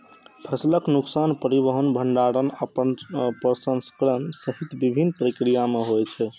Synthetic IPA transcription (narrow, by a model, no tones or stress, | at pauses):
pʰəsləknuksanpəɾibəɦənbʱəɳɖaɾənəpənpɾəsə̃nskəɾənsəɦit̪bibʱinpəɾikɾijameɦojt͡ʃʰɛ